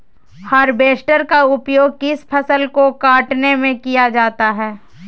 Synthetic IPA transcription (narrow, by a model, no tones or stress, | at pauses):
hɐɾbeːʃʈəɾkaʊpjoːɡ̚kɪspʰɐsəlkokaːʈnemẽkijad͡ʒaːt̪aɦɛː